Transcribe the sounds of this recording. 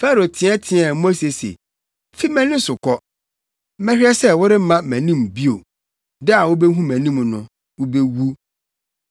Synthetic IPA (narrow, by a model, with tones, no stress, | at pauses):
fa˦ɾo˨tʰɪ̃˨˦ɛ˦tʰɪ̃˨ɛ˨mo˦se˨sḛ˨ | fi˦mɛ̃˦nɪ̃˦sʊ˨kʰɔ˦ | mɛ̃˦hʲᶣɪ˦ɛ˦sɛ˦wʊ˦ɾɪ˦m̩˦mã˦˨mæ̃˨nĩ˦mbi˦o˨ | dɛ˦a˨wʊ˦bɛ˦ɦũ˦mæ̃˨nĩ˦mnʊ̰̃˨ | wʊ˦bɛ˦wu˦